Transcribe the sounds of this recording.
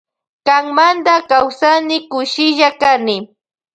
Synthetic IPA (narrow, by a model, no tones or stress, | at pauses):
kaŋmand̪akawsanɪkʊʃɪʒakanɪ